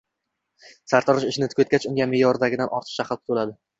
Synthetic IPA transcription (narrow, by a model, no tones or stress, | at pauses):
saɾt̪ʰɒɾɪʃɪʃɪnɪt̪ʰʊ̥kʰɵt̪̚ʲat͡ʃʊŋɡʲamejɒɾd̪aɡʲɪd̪anʔɒɾt̪ʰɨ̥qʃaχɨlˠkʰʊt̪ʰolad̪ɪ